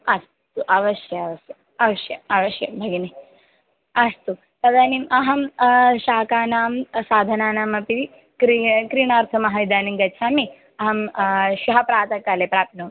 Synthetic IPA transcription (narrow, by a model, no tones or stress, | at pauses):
ɐs | t̪uʔɐʋɐʃjɐɐʋɐsɐ | ɐʋɐʃjɐ̰ɐʋɐʃjɐ̰bʱɐɡini | ɐst̪u | t̪ɐd̪aːnimʔɐɦɐmʃaːkaːnaːmsaːd̪ʱɐnaːnaːmɐpit̪i | kɾikɾiːɳaːɾt̪ʰɐmɐɦɐid̪aːnimɡɐt͡ʃʰaːmi | ɐɦɐmʃuɦɐpɾaːt̪ɐkaːlepɾaːp̪̚nuː